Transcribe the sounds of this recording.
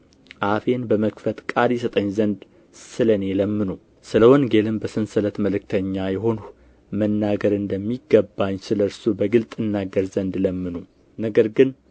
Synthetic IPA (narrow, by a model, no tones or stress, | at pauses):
ʔafe̞nbəməkfət̪kʼad̪esət̪ʼəɲːzənd̪ | sɨləne̞ləmːɨnu | sɨləwonɡelɨmbəsɨnsɨlət̪məlɨk̚t̪ʰəɲːajɛɦo̞n | mənːaɡəɾɨnd̪əmːiɡːəbːaɲːsɨləɾsubəɡɨlt̪ʼɨnːaɡəɾzənd̪ləmːɨnu | nəɡəɾɡɨn